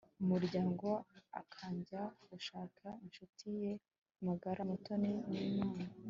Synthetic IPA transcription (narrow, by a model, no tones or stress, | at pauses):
umuɾɟaːŋɡo̞a̰kʰaːɲɟaɡuʃaːkʰainʃutʰije̞ | maɡaɾʔamutonininaːna